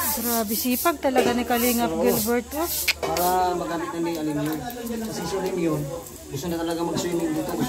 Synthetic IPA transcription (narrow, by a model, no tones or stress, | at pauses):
dɾabɪsiːpɐɡ̚t̪ɐlɐɡanɪkɐliŋɐp̚ɡɪlbɛɹt̪̚opaːɾɐmɐɡaːmɪt̪̚nɐniʔɐlɪmjonkɐsisʊlɪmjon | ɡʊst̪onɐt̪ɐlɐɡaŋmɐɡ̚siːnɪŋd̪iːt̪o